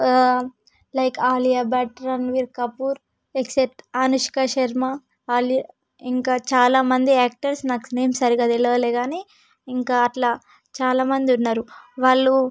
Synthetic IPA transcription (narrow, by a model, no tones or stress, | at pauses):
lɐjkʰaːlijaːbaːʈɾɐnʋiɾkɐpuːɾ | eksep̚ʈaːnuʃi̥kaʃɐɾma | aːlija | iŋkaːt͡ʃaːlaːmɐnd̪iaːk̚ʈɐɾsnaːku̥neːmsɐɾiɡaːt̪elːɐʋɐleːɡaːni | iŋkaːʈlaː | t͡ʃaːlaːmɐnd̪iunːaːɾuʋaːɭːu